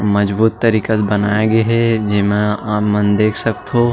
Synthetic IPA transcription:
mɐd͡ʒbuːt̪ːɐɾiːkət̪bɐnaːjeɡeɦɛd͡ʒɪmẽamɐnd̪eːkʰsɐkt̪ɦoː

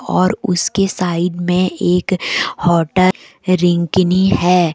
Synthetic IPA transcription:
ɔːɾʊskesaːɪd̪mẽeːkhɔːʈə | ɾɪ̃ŋkniɦɛː

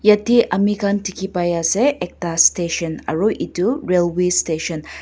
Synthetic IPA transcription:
jɐt̪ʰiʔɐmikʰantikʰipajaseʔek̚t̪asteʃənɐ̰ɾuʔituɾelwesteʃən

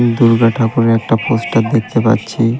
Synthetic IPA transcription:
nd̪uɾɡaʈʰakoɾeɛk̚ʈaposʈad̪ek̚ʰt̪epa̰tːɕʰi

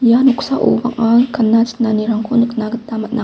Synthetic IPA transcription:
januksaʔṵba̰ŋakanːat͡sə̥naniɾaŋkʰonəknaɡət̪̚d̪amat̪̚nʔa

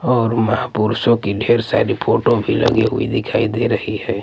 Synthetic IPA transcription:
ɔːɾməɦapuɾsõkiɖʱeːɾsa̰ːɾipʰoːʈobʱilɐ̰ɡeɦʊ̰ḭd̪ɪkʰaːid̪eɾɐhihɛː

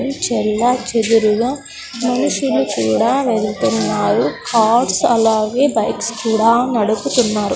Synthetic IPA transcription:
nt͡ʃɛlːaːt͡ʃed̪uɾuɡaː | mɐnuʂulukuːɽaːʋeɭt̪unːaːɾukʰaːʈsɐlaːɡe̞ːbɐjkskuːɽaːnɐɽuput̪unːaːɾu

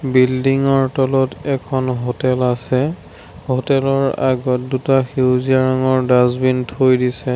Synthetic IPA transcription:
bildiŋɔɹtɔlɔtɛkʰɔnɦotɛlasɛ | hotɛlɔɹaɡɔt̚dutaxiwziaɹaŋɔɹdazbintʰojdisɛ

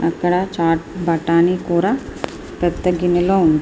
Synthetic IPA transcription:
ɐkːɐɽaːt͡ʃaːʈ̚bɐʈaːniːkuːɾaː | pɐt̪ːɐɡiniloːund̪

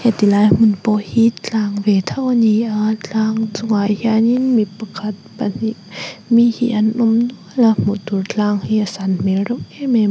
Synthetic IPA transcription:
het̪ilaːjmɯnpɔhit̪̚ʰaːŋʋet̪ʰawniʔatʰaːŋsuŋajhjaɲinmipakʰat̪̚panimihḭənʔomnulamut̪uɾtʰlaːŋhiasanmeɾopeme

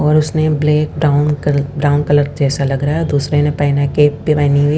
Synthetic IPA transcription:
ɔːɾʊsnebleːk̚baːʊnkbɾaːʊnkɐləɾd͡ʒɛːsalɐɡɾaɦɛɔɾd̪uːsɾenẽpaːɪnakeːpːɪʋaːniɦʊi

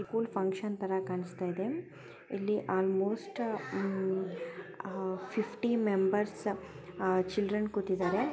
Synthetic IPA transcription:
ikuːlpʰɐ̃ŋkʃɐnt̪ɐɾɐkaːɳist̪aːjid̪e | ilːiʔaːlmoːsʈ | pʰipʰʈimembɐɾs | t͡ʃilɖɾɐnkut̪ːid̪aːɾe

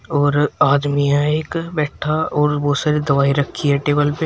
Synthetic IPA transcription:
ɔːɾaːd̪mijãeːkbɛːʈʰaɔːɾʋoːsɐɾed̪ɐʋaːiɾɐkʰːiɦɛʈeːbəlpe

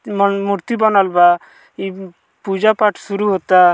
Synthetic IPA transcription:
muɾt̪ibɔnɔlba | i | pud͡ʒapaʈʰsuɾuɦot̪a

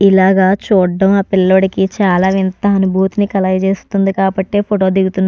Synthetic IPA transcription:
ilaːɡaːt͡ʃuːɖːɐmaːpilɐːoɽikit͡ʃaːlaːʋint̪ɐɐnubʱuːt̪unikɐlɐːjɐt͡ʃe̞ːst̪und̪ikaːbɐʈːe̞ːpʰoʈo̞ːd̪iɡut̪unːa

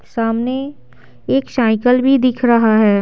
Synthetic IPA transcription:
saːmne | eːksaːɪkəlbʱid̪ɪkʰɾɐɦaɦɛː

